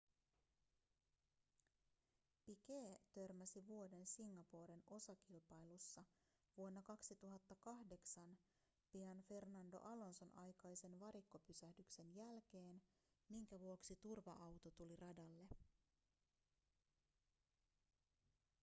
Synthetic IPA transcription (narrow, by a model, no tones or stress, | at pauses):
pik̟eːt̪ø̞rmæsiʋuo̞de̞nsiŋːɑpo̞ːɾeno̞sɑkilpɑjlusːɑ | ʋuo̞nːɑkɑksit̪uɦɑt̪ːɑkɑhde̞ksɑn | piɑnfe̞rnɑndo̞̰ʔɑlo̞nso̞nʔɑjkɑjse̞nʋɑɾikːo̞pysæhdykse̞njælk̟e̞ːnmiŋk̟æʋuoksit̪urʋɑʔɑwt̪o̞t̪ulirɑdɑlːe